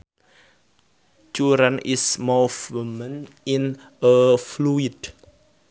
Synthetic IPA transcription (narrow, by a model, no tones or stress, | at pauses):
t͡ʃuɾənismuvmən | in | əfluid̥